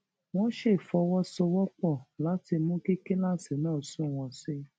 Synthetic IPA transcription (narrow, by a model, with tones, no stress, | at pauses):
w̃ɔ̃˦ʃe˦˨fɔ˧wɔ˦so˧wɔ˦k͡pɔ˦˨la˨˦ti˧mũ˦ke˦ke˦la˦˨si˨˦nãː˦˨sũ˦˨w̃ɔ̃˧se˧